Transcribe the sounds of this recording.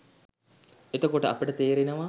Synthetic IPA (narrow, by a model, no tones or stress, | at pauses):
et̪əkoʈəɐpəʈət̪eːɾinəʋa